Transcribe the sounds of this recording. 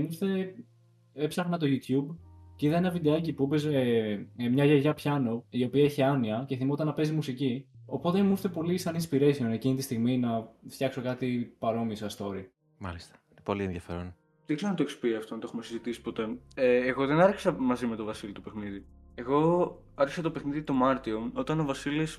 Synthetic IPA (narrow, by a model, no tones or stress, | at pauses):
must̪e̞ | epsɐɣnɐt̪o̞ʝut̪çubceiðɐenɐvid̪e̞ɐcipupezemɲɐʝeɾʝɐpçɐno̞io̞piɐeçiɐniɐce̞θimot̪ɐnɐpe̞zimusici | o̞po̞t̪e̞must̪e̞po̞lisɐnispiɾe̞sione̞cinit̪ist̪iɣminɐft̪jçɐkso̞kɐt̪ipɐɾo̞misɐst̪o̞ɾi | mɐ̰list̪ɐ̥inepo̞lieðjɐfeɾon | ðeɡzeɾonɐt̪oekspiɐft̪onɐnt̪oxumesizit̪isi̥po̞t̪eeːɣo̞ðenɐɾçi̥sɐmɐzime̞t̪o̞vɐsilit̪opexniði | eɣo̞ | ɐɾçi̥sɐt̪opexniðit̪o̞mɐɾt̪io̞o̞t̪ɐno̞vɐsilis